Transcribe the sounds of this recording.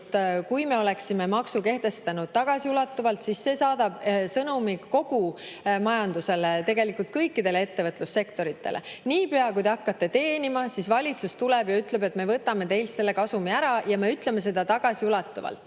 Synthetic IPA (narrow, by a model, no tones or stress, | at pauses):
t̪kujme̞o̞le̞ksime̞mɑksuke̞ht̪e̞st̪ɑnud̪̥̚t̪ɑɡ̥ɑsiulɑt̪ːuvɑlt̪sisːe̞ːsɑːd̪̥ɑb̥sɤnumiko̞ɡ̥umɑjɑnd̪use̞let̪e̞ɡe̞likˑult̪̚kɤjkːˑid̪e̞lee̞t̪ːe̞vɤt̪ˑlusːe̞kt̪o̞ɾit̪ːˑe̞̰lʔe̞̰niːpeɑkujd̪eɑkːɑt̪ːe̞t̪e̞ːnimɑsisvɑlʲit̪sust̪ulɛb̥jɑyt̪le̞be̞t̪me̞vɤt̪ːˑɑme̞t̪e̞jlt̪se̞lːe̞kɑsumiæɾɑjɑmeyt̪le̞me̞s̬e̞d̪̥ɑt̪ɑɡ̥ɑsiulɑt̪ːˑuvɑ̰lt̪ˑː